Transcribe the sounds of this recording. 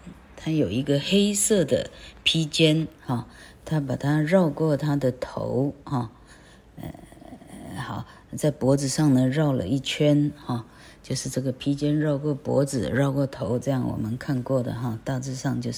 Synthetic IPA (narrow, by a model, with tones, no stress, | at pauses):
t̪ʰa˥jo˨˩ʊi˧˥ɡə˧xe˥ɪsɤ˥˩d̪ə̰˩pʰi˥t͡ɕjɛ˥nxɑ˥˩ | t̪ʰa˥pa˨˩t̪ʰa˥ɻɑ˥˧ʊkwɔ˥˩t̪ʰa˥d̪ə˨t̪ʰo̰˧˥ʊxɑ˥˩ | ɛ̰˧˩ | xɑ˨˩ʊ | t͡sa˥˩ɪpwɔ˧˥d͡zɹ̩˨˩ʂɑ˥˩ŋnə˩ɻɑ˥˩ʊlə̰˨i˥˩t͡ɕʰɥɛ˥nxɑ˥˩ | t͡ɕjo˥˧ʊʂɻ̩˥˧ʈ͡ʂɤ˥˩ɡə˩pʰi˥t͡ɕjɛ˥nɻɑ˥˧ʊkwɔ˥˩pwɔ̰˧˥d͡zɹ̩˨˩ɻɑ˥˧ʊkwɔ˥˩t̪ʰo˧˥ʊʈ͡ʂɤ˥˧jɑ˥˩ŋwɔ̰˨˩mə˦nkʰa˥˧nkwɔ˥˩d̪ə̰˩xɑ˥˧t̪a˥˧t͡sɻ̩˥˧ʂɑ˥˧ŋt͡ɕjo˥˧ʊ˥